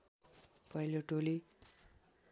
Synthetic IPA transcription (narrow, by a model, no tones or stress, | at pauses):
pʌiloʈoli